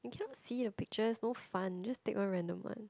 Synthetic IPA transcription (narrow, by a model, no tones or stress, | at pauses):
jukʰɛnɔtsidəpik̚t͡ʃəsnofãnd͡ʒastekɔ̃nɹɛ̃ndə̰mã̰n